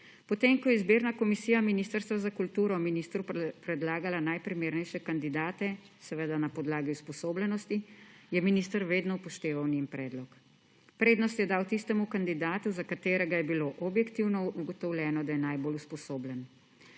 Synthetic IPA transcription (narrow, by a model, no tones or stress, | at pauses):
pɔt̪emkɔjɛizbeːɾnakɔmisiːjaminiːst̪əɾst̪ʋazakult̪uːɾɔminist̪ɾupɾɛd̪laːɡalanajpɾimeːɾnɛjʃɛkand̪id̪aːt̪ɛ | sɛʋed̪anapɔd̪laːɡiuspɔsoːblɛnɔst̪ijɛminist̪əɾʋeːd̪nɔpɔʃt̪eːʋawnimpɾɛːd̪lɔk | pɾeːd̪nɔst̪jɛd̪aːwt̪ist̪ɛmukand̪id̪aːt̪uzakat̪eːɾɛɡajɛbiloʔɔbjɛkt̪iwnɔuɡɔt̪ɔwlʲjɛːnɔd̪ajɛnajboːluspɔsoːblɛn